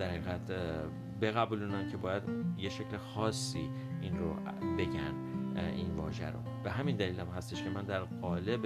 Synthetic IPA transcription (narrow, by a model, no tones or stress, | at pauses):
d̥̪æɾhæɣæd̪ | be̞ɣæbuːluːnæncʰe̞bɒːjæd̪jeʃe̞clexɒːsːḭː | inɾo̰ | be̞ɟæn | invɒ̰ːʒæ̰ɾo̰b̥e̞ɦæmind̪æliːlæmhæst̪eʃcʰe̞mænd̪æɾɣɒːle̞b